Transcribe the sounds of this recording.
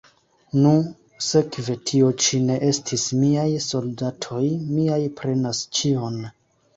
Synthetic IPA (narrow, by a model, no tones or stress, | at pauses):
nu | se̞kve̞tʰio̞t͡ʃine̞ʔe̞stʰismiajso̞ldatʰo̞jmiajpɾe̞nast͡ʃio̞n